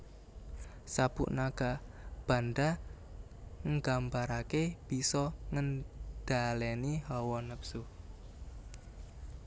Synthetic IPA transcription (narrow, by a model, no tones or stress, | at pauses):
sab̥ṵʔnaɡ̥ab̥a̤nda | ŋɡambaɾakeb̥isɔŋənd̥alɛnihɔwɔnəpsu